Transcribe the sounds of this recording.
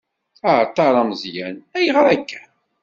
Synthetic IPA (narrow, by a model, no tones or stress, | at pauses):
aɾt̪ˤːɑɾˤɑmzjænæjəʁɾˤækːæ̥